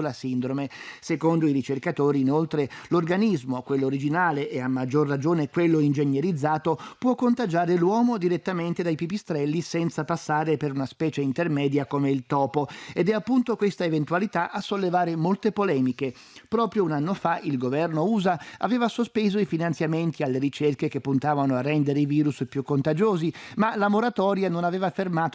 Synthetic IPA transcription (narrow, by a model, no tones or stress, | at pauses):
lasind̪ɾomesekond̪oiɾit͡ʃerkat̪oːɾiːnolt̪ɾelorɡanizmokwelːoːɾid͡ʒinaːleʔːamːad͡ʒːorːad͡ʒːoːnekwelːoind͡ʒenjeɾid̪zːaːt̪opwɔkːont̪ad͡ʒaːɾelwɔːmod̪iɾet̪ːament̪ed̪ajpipist̪ɾɛlːisɛnt̪sapasːaːɾepeɾunaspɛːt͡ʃeint̪ermɛːd̪jakomeilt̪ɔːpoed̪ɛapːunt̪okwest̪aevent̪ualit̪aʔasːolːevaːɾemolt̪epolɛːmike | pɾɔːpɾjounanːofaʔilɡovɛrnouːzaa̰veːvasospeːzoifinant̪sjament̪ialːeɾit͡ʃerkek̟epːunt̪aːvanoarːɛnd̪eɾeiviːɾuspjukːont̪ad͡ʒoːzimalamoɾat̪ɔːɾjanonaveːvafermaːt̪